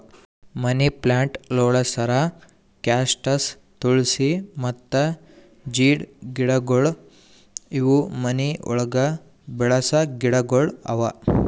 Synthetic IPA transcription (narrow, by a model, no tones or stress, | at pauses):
mɐniplaːɳʈlɔːɭɐsɐɾa | kaːsʈɐs | t̪uɭsimɐt̪ːɐ | d͡ʒiːɽɡiɽɐɡoɭ | iʋumɐniʔɔ̰ɭɐɡɐ | bɛɭɐsɐɡiɽɐɡoɭɐ̰ʋɐ